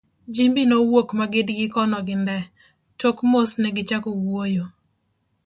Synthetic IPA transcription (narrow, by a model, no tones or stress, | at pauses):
d͡ʒimbinowokmaɡɪdɡɪkɔnɔɡɪndɛ | tokmosnɛɡɪt͡ʃakowwojo